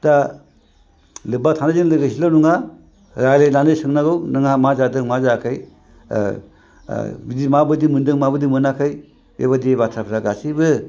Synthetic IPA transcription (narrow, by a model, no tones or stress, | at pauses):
da | lɯbatʰanazinlɯɡasilawnuŋa | ɾajlejnanɯsɯŋnaɡɯwnɯŋamazadɯŋmazakʰaj | bidimabɯdimɯndɯŋmabɯdimɯnakʰaj | ḛβadibatʰapʰɾaɡasibɯ